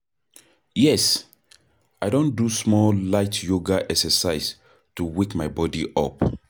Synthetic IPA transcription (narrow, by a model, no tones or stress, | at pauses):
jɛs | aɪdõndusmɔllaɪtjoɡaʔɛksəsaɪs | tuwikmaɪbɔdiʔɔp